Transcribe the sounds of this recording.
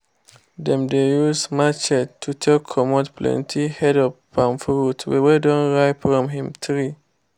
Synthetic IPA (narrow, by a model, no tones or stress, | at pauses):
dɛ̃mdejusmat͡ʃɛttʰːutʰɛlkʰɔmɔdplɛ̰̃ntʰihɛdɔpː | ãmfɹutwɛ̰wɛdɔ̃nɹaɪfɹɔ̃mɦĩmtɹi